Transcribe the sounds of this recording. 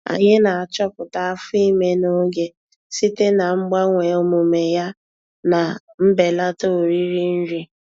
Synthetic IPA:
a̰˨ɲɪ˦na˨a˨t͡ʃɔ˦pʊ˨ta˨a˦fʊ˦i˦me˦no˦ɡe˦ | si˦te˦na˨ŋ͡m̩˦ɡ͡ba˦ŋʷe˨o˦mu˨me˨ja˦ | na˨ | m̩˦be˨la˦to˦˨ɾi˦ɾi˦n̩˦ɾi˦

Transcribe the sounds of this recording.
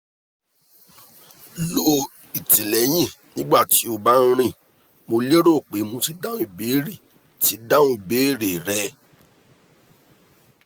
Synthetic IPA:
lo˦ | i˨ti˨lɛ˨˦j̃ĩ˦˨nĩ˦ɡ͡ba˦˨ti˨˦o˧ba˦n̩˦ɾ̃ĩ˦˨ | mo˧le˦ɾo˦˨k͡pe˨˦mõ˧ti˧da˦ũ˦i˦˨be˨˦ɾi˦˨ | ti˨˦da˦ũ˦i˨beː˨˦˨ɾe˨ɾɛ˧˦

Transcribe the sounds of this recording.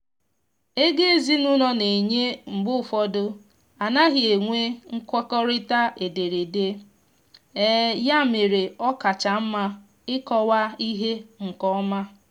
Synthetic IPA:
e˦ɡe˦e˨zi˦nu˦nɔ˦ne˨ɲe˦m̩˨ɡ͡bʊ˦fɔ˦dʊ˦ | a˨na˦ɦɪ˨e˨ŋʷe˦ŋ̩˦kʷɔ˦kɔ˦ɾɪ˦ta˦ʔe˨de˨ɾe˨de˦ | e˦ja˦me˨ɾe˨ɔ˦ka˨t͡ʃa˨m̩˦ma˦ | ɪ˦kɔ˦wa˦i˦ɦe˦ŋ̩˨kɔ˦ma˦

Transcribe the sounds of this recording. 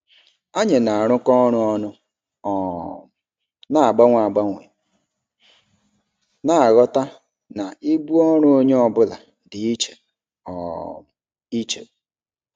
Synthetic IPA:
a˦ɲe˨na˨a˨ɾ̃ʊ˦kɔ˦ɾʊ˦ɔ˦nʊ˦˨ | na˨a˨ɡ͡ba˦ŋʷa˨a˨ɡ͡ba˦ŋʷḛ˨ | na˨a˨ɣɔ˦ta˦ | na˨i˦bu˦ɔ˦ɾ̃ʊ˦o˦ɲe˦ɔ˨bʊ˦la̰˨ | dɪ˨i˦t͡ʃe˨ | ɔ̰˨ | i˦t͡ʃḛ˨

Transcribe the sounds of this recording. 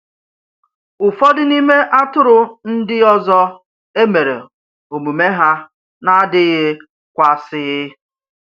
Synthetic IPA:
ʊ˨fɔ˦dɪ˦ni˦me˦ʔa˦tʊ˦ɾʊ˦n̩˦dɪ˦ɔ˦zɔ˦ | e˦me˨ɾḛ˨ | o˨mu˨me˦ɦa˦ | na˦dɪ˦ɣɪ˦ | kʷa˦sɪ˦ɪ˦

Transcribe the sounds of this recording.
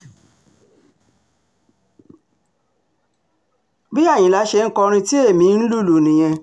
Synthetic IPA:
bi˦a˦˨j̃ĩ˨˦la˨˦ʃe˧n̩˦kɔ˧ɾ̃ĩ˧ti˦e˦˨mĩ˨˦n̩˦lu˦˨lu˨nĩ˨j̃ɛ̃˧

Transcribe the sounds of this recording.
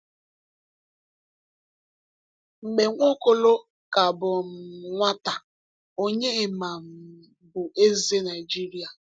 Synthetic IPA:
ŋ͡m̩˨ɡ͡be˨ŋʷo˦ko˦lo˦ | ka˨bʊ˨m̩˨ŋʷa˦ta˨ | o˦ɲe˦e˨ma˨m̩˨ | bʊ˨ʔe˦ze˦na˨ɪ˨d͡ʒi˦ɾi˦a˨

